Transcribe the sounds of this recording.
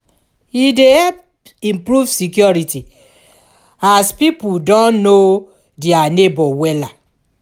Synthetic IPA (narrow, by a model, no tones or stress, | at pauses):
idehɛp | ĩmpɹuvsikjɔɹiti | aspipudɔ̃nno | deanebɔwɛla